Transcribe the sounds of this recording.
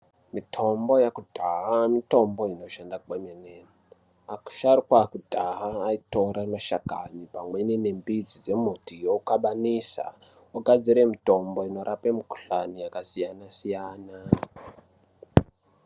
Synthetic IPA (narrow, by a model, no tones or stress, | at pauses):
mitʰo̞mbo̞jakudʱaɦamito̞mbo̞ino̞ʃandak͡pemene | aku̥ʃarikwakudʱaɦaːito̞ɾamaʃaɡʱanipamwenene̞mbid͡zid͡ze̞mutijoukaɓanisa̰ | oɡʱad͡ziɾe̞mito̞mbo̞ino̞ɾʔapemiku̥ɬanijakasijanasijaːna